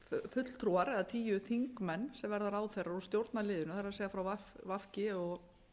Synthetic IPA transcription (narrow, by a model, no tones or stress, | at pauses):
ffʏt̪l̥t̪ʰɾuaɾɛðat̪ʰiːjʏθiŋkmɛnːsɛmvɛɾðaɾaːwθejraɾɔst̪jowɾt̪nalɪːðʏnʏθaɾasɛːɣafɾawvafvafcɪɔɣ